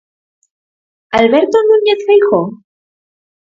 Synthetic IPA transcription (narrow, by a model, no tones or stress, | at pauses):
alβeɾt̪onuɲeθfejxo